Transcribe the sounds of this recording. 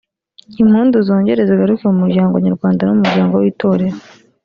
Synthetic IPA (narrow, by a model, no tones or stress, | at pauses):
im̥huːnzuzoːɲɟe̞ɾe̞zeɡaɾukiumuɾɟaːŋɡoɲaɾɡwaːndanumuɾɟaːŋɡo̞wiːto̞ːɾe̞ɾo